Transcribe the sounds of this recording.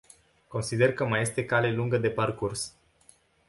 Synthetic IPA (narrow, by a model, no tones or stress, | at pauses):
ko̞nsid̪e̞rkəmaje̞st̪e̞kale̞luŋɡəd̪e̞parkurs